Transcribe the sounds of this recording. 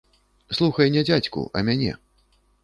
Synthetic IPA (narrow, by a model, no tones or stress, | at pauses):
slˠuxɐjnʲɛd͡zʲat͡sʲkṵʔɐ̰mʲanʲɛ̰